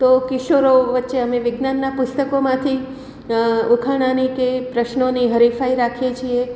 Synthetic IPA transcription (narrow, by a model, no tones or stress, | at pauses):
t̪okɪʃoɾoʋətːʃeəmẽʋɪɡnanːapʊst̪əkomãt̪ʰi | ukʰaɽ̃anikepɾəʃnoniɦəɾifaiɾakʰjet͡ʃʰie